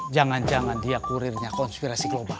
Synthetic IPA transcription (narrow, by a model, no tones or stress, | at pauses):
d͡ʒaŋand͡ʒaŋandiakuɾirɲakɔnspiɾasiɡlɔbal